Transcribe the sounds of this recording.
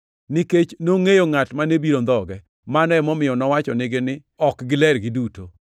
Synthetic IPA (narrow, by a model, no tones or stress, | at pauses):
nɪket͡ʃnoŋejoŋatmanebiɾond̪ɔɡɛ | manɔɛmɔmɪjɔnɔwat͡ʃɔnɪɡɪnɪ | ɔkɡɪlɛɾɡɪduto